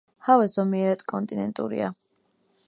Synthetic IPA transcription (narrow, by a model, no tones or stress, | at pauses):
havɛzɔmiɛɾad̪kʼɔnt̪ʼinɛnt̪ʼṵɾḭa̰